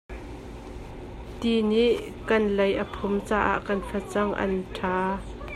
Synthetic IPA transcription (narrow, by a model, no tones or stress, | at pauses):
t̪iniʔ | kɐnlɐjʔəpʰʊmt͡saːʔa̰ʔkɐnfɛt͡sɐŋʔɐ̰ntʰaː